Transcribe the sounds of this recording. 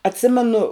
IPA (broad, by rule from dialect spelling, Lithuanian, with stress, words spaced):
ɐtʲˈsʲɪmʲɛnʊ